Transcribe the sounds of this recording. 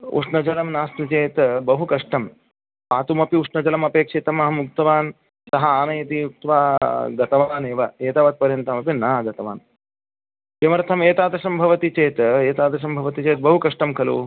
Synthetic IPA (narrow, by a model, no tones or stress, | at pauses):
ṵʂnɐd͡ʒɐlɐmnaːst̪ut͡ʃeːt̪bɐɦukɐʂʈɐm | paːt̪umɐpiuʂnɐd͡ʒɐlɐmɐpeːkʂet̪ɐmɐɦɐmuk̚t̪ɐʋaːn | sɐɦɐaːnɐjɐt̪iuk̚t̪ʋaːɡɐt̪ɐʋaːneːʋɐeːt̪aːʋɐt̪̚pɐɾjɐnt̪ɐmɐpinaːɡɐt̪ɐʋa̰ːn | kɐmɐɾt̪ʰɐmeːt̪aːd̪ɐʃɐmbʱɐʋɐt̪it͡ʃeːt̪eːt̪aːd̪ɐʃ̬ɐmbʱɐʋɐt̪it͡ʃeːt̪̚bɐɦukɐʂʈɐmkʰɐlṵː